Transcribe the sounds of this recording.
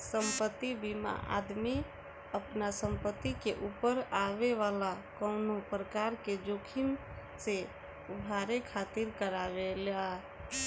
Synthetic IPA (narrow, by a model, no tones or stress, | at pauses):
sə̃mpət̪ːibima̰ʔa̰ːd̪mi | əpnasə̃mpət̪ːikeʔuːpəɾaʋeʋaːlakɔʊnopɾəkaːɾked͡ʒoːkʰɪm | se | ʊbʱaːɾekʰaːt̪ɪɾkəɾaʋela